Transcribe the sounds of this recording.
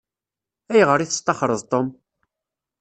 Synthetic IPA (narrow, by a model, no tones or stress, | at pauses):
æjʁəɾˤiθə̥st̪ɑχɾˤəðˤt̪ˤom